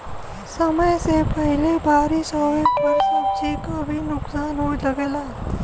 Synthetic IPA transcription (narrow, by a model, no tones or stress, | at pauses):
səməjsepəɦɪlebaːɾisɔːekbəɾsəb̚t͡ʃekabʱinʊksaːnɦolɐɡeːlaː